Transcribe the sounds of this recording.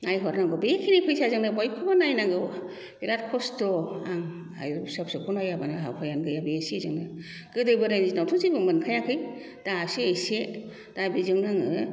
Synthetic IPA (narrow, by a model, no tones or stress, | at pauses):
najɦɔɾnaŋɡɯbekʰinipʰɯjsazɯŋnɯbajkʰɯbanajnaŋɡɯ | biɾat̚kʰɔstɔaŋ | a̰jɾsap̚sɯkʰunajabanɯɦawpʰajanɡɯjabeesizɯŋnɯ | ɡ̥ɯdɯjbɯɾajnzinawtʰuzibɯmɯnkʰajakʰɯj | d̥asiejse | d̥abizɯŋnaŋɯ